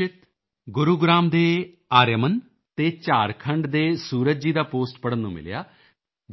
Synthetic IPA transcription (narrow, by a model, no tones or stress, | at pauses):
ɪt̪ | ɡʊɾuːɡɾaːmd̪eː | aːɾjəmən | t̪eːt͡ʃaːɾkʰəɳɖd̪eːsuːɾət̪̚d͡ʒiːd̪aːpoːsʈpəɽənːũːmɪ̰lja̰ː | d͡ʒ